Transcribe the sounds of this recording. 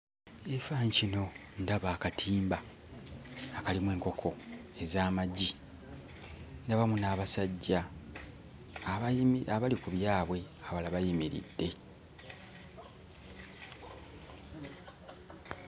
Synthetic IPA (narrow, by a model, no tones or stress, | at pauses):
efaːɲcino̞ | ndaβaːkatʰiːmba | kalimwe̞ːŋko̞kʰo̞e̞zaːmaɟi | ndaβamunaːβasaɟːa | aβalikuβjaːβwe̞ | aβalaβajimiɾḭdːe̞